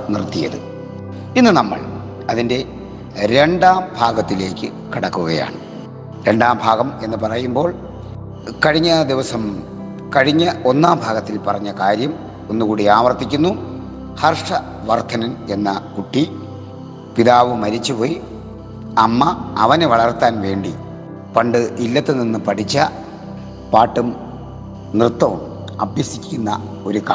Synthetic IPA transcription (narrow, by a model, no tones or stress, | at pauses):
nirt̪ːijɐ̰ðɨ̰ | inːɨnɐmːɐ̰ɭ | ɐðinde̞ | ɾe̞ɳɖaːmbʱaːɡɐt̪ːile̞ːkʲːɨ | kiɽɐkːuɣɐja̰ːɳɨ | ɾe̞ɳɖaːmbʱaːɣɐme̞nːɨpɐrɐjumbo̞ːɭ | kɐɻiɲːɐd̪iʋɐsɐm | kɐɻiɲːɐo̞nːaːmbʱaːɣɐt̪ːilpɐrɐɲːɐkaːɾjɐm | onːukuːɽiaːʋɐrt̪ikʲːunːu | hɐrʂɐ | ʋɐrt̪ʰɐnɐne̞nːɐkuʈːi | piðaːʋɨmɐɾit͡ɕːupoːji | ɐmːɐːʋɐneʋɐɭɐrt̪ːaːnʋe̞ːɳɖi | pɐɳɖɨilːɐt̪ːeninːɨpɐʈʰit͡ɕːɐ | paːʈːum | nrɨt̪ːɐʋum | ɐbʱjɐsikʲːunːɐ | o̞ɾuka